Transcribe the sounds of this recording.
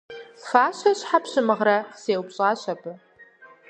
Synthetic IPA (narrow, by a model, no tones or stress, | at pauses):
faːʃʷaɕħapɕɨmɨʁraχseːwpɕʼaːɕabɨ